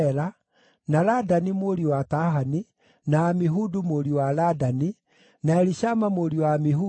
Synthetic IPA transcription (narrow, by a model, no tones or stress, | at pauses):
ɾa | naladanimoɾiwataɦani | naːmiɦudumoɾiwaladani | naɛɾiʃamamoɾiwamiɦu